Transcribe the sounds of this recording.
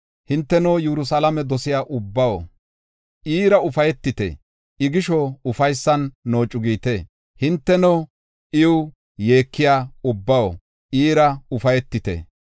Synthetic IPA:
hɪnt̪ːɛnowjɛɾʊsɐlɐmɛd̪ɔsɪjaːʔʊbːɐwo̰ | ʔiːɾɐʊfɐjɛt̪ːɪt̪ɛ̰ | ʔɪɡɪʃɔʊfɐjsːɐnːo̞ːt͡ʃʼːʊɡiːt̪e | hɪnt̪ːɛno | ʔɪwʊ | je̞ːkːɪjaːʊbːɐwo̰ | ʔiːɾɐʊfɐjɛt̪ːɪt̪ɛ̰

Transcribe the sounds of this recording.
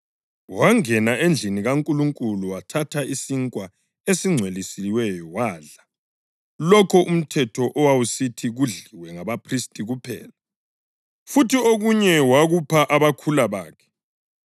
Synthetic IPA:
waŋɛnaend͡ɮʱiniɣaŋkʼuluŋkʼuluwatʰatʰaisiŋkʼwa | esiŋ͡ǀʱwelisiwɛjɔwaːɮa | lɔkʰɔʔum̩tʰɛtʰɔʔɔwawusitʰiɣuɮiwɛŋaβapʰristʼiɣupʰɛ̰ːla | futioɣuɲɛwaɣupʰaʔaβakʰulaβa̰ːkʰɛ̥

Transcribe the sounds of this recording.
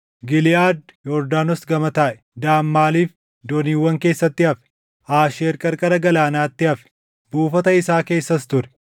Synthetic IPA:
ɡɪlɪʔaːd̪jɔɾd̪aːnɔsɡɐmɐt̪aːʔɛ̥d̪aːmːaːliːf | d̪oniːwːɐŋke̞ːsːɐt̪ːɪɐfɛ̥ | ʔaːʃeːɾkʼɐɾkʼɐɾɐɡɐlaːnaːt̪ːɪɐfɛ̥ | buːfɐt̪ɐɪsaːke̞ːsːɐst̪ʊɾɛ̥

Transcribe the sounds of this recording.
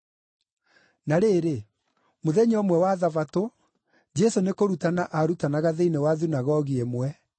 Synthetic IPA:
naɾeːɾe | moðɛɲɔmwɛwaðavato | d͡ʒɛsonekoɾutanaʔaɾutanaɣaðeinewaðunaɣɔɣiemwɛ

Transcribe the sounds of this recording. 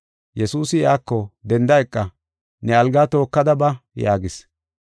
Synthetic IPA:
jɛsuːsɪjaːkːɔd̪ɛnd̪ɐjɛkʼːɐ | nɛɐlɡaːt̪o̞ːkːɐd̪ɐbɐja̰ːɡɪs

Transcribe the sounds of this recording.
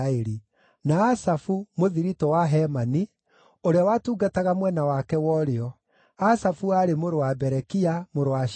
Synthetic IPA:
eɾi | naːsafumoðiɾitɔwaɦɛmani | oɾeawatuːɡataɣamwɛnawakɛwɔɾeɔ | asafuaɾemoɾowabɛɾɛkiamoɾowa

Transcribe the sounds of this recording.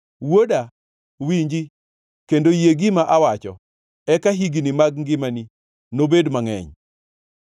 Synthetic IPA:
woda | wiɲd͡ʒi | kendojeɡimaʔawat͡ʃɔ̰ | ɛkaɦiɡinimaɡŋɡɪmani | nobedmaŋɛ̰ɲ

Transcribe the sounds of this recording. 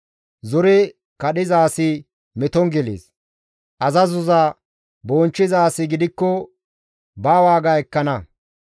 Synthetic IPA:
zɔɾɛ | kɐɗɪzaːsɪ | mɛt̪ɔŋɡɛlḛːs | ʔɐzɐzʊzaː | boːnt͡ʃːɪzaːsɪɡɪd̪ɪkːɔ | baːwaːɡaɛkːɐnɐ

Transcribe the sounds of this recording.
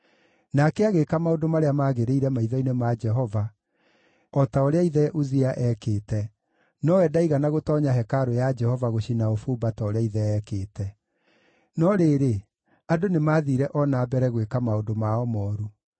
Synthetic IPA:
nakɛaɣekamaodomaɾeamaːɣeɾeiɾɛmaiðɔinemad͡ʒɛɦɔva | ɔtaoɾeaiðɛʔuziaʔɛkeːtɛ | nɔwɛdaiɣanaɣotɔːɲaɦɛkaɾojad͡ʒɛhɔvaɣoɕinaofuːbatɔoɾeaiðɛɛːkeːtɛ | nɔɾeːɾe | adonemaːðiɾɛʔɔnaːbɛɾɛɣwekamaodomaɔmɔːɾu

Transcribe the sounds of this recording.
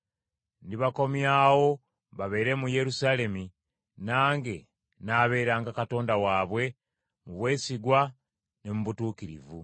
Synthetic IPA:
ndiβako̞mjaːwo̞ | βaβe̞ːɾe̞muje̞ɾusaːle̞mi | naːŋɡe̞ | naːβe̞ːɾaːŋɡakato̞ːndawaːβwe̞ | muβwe̞ːsiɡwa | ne̞muβutuːkiɾḭvu

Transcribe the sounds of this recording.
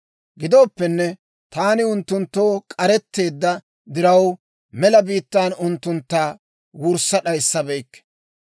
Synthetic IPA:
ɡɪd̪o̞ːpːɛnːɛ | t̪aːnɪʊnt̪ːʊnt̪ːo̞ːkʼɐɾɛt̪ːe̞ːd̪ːɐ | d̪ɪɾɐw | mɛlɐbiːt̪ːaːnʊnt̪ːʊnt̪ːaː | wʊɾsːɐɗɐjsːɐbɛjkː

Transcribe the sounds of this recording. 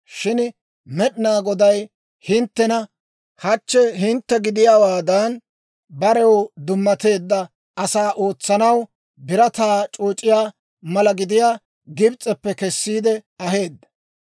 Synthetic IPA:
ʃɪn | mɛɗnaːɡɔd̪ɐj | hɪnt̪ːɛnɐ | hɐt͡ʃːɛɦɪnt̪ːɛɡɪd̪ɪjaːwaːd̪ɐn | bɐɾɛwd̪ʊmːɐt̪e̞ːd̪ːɐ | ɐsaːʔo̞ːt͡sːɐnɐw | bɪɾɐt̪aːt͡ʃʼuːt͡ʃʼːɪjaː | mɐlɐɡɪd̪ɪjaː | ɡɪbt͡sʼɛpːɛkɛsːiːd̪ɛɐɦe̞ːd̪ːɐ̥

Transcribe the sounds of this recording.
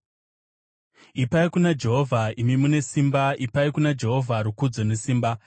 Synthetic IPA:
ipaikunad͡ʒe̞ɦo̞vʱaimimune̞simbaʔipaikunad͡ʒe̞ɦo̞vʱaɾukud͡zo̞ne̞siːmba

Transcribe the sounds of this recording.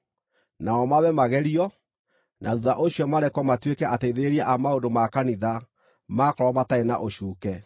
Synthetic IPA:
naɔmaβɛmaɣɛɾiɔ | nʔaðuðaʔoɕiɔmaɾɛkɔmatwekɛʔateiðeɾiaʔamaodomakaniða | makɔɾɔmataena̰ʔoɕuːkɛ

